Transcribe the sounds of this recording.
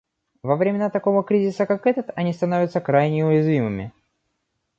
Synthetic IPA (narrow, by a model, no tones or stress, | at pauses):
vəvɾʲɪmʲɪnat̪ɐko̞vəkɾʲizʲɪsəkakɛt̪ət̪ɐnʲist̪ɐno̞vʲɪət̪səkɾajnʲɪʊjɪzvʲimɨmʲɪ̰